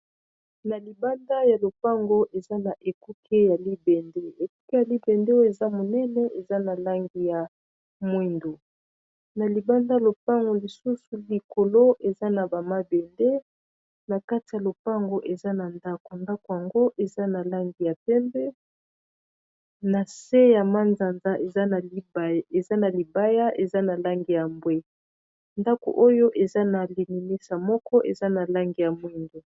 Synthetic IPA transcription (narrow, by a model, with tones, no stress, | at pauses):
na˨li˨ba˦nda˦ja˨lo˨pa˦ŋɡo˦ʔe˨za˦na˨ʔe˨ku˦kʰe˦ja˨li˦bɛ˨nde˦e˨ku˦ke˦ja˨li˦bɛ˨nde˦e˨za˦mo˨nɛ˦nɛ˦ʔe˨za˦na˨la˦ŋɡi˨ja˨ | mwe˦ndo˨ | na˨li˨ba˦nda˦˨lo˨pa˦ŋɡo˨li˨su˦su˨li˨ko˨lo˦ʔe˨za˦na˨ba˨ma˦bɛ˨nde˦ | na˨ka˦ti˨ja˨lo˨pa˦ŋɡo˦ʔe˨za˦na˨nda˦ko˨nda˦ko˨ja˨ŋɡo˦ʔe˨za˦na˨la˦ŋɡi˨ja˨pɛ˦mbɛ˦ | na˨se˦ja˨ma˦nza˨nza˦ʔe˨za˦na˨˦be˨za˦na˨li˨ba˦ja˦ʔe˨za˦na˨la˦ŋɡi˨ja˨mbwe˦ | nda˦ko̰˨ʔo˦jo˦ʔe˨za˦na˨li˨ni˨me˦sa˨mɔ˦kɔ˦ʔe˨za˦na˨la˦ŋɡi˨ja˨mwi˦nde˨